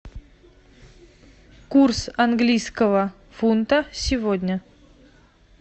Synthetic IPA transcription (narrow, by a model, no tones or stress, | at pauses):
kursanɡlʲijskəvə | funt̪əsʲɪvodʲnʲə